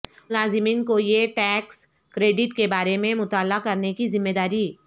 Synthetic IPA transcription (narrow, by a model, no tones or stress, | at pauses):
laːzɪmiːnkojeʈɛːks | kɾeːɖɪʈkebaːɾemẽmʊt̪aːlakɐɾnekizɪmːeːd̪aːɾi